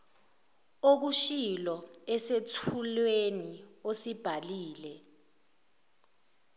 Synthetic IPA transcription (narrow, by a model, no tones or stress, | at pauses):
ok̬uʃilɔɛsetʰulweniosib̥ʱaliːlɛ